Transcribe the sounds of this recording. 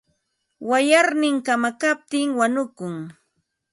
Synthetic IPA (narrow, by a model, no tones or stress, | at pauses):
wajaɾnɪŋkamakap̚t̪ɪŋwanʊkʊŋ